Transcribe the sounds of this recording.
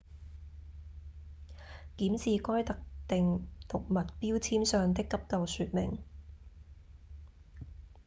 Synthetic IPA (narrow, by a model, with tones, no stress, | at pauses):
kiː˨˥msiː˨kɔː˥jt̪ɐ˨k̚t̪ɪ˨ŋt̪ʰʊ˨˩k̚mɐ˨t̚piː˥wt͡sʰiː˥msœː˨ŋt̪̬ɪ˥kːɐ˥p̚kɐ˨wsyː˨t̚mɪ̰˨˩ŋ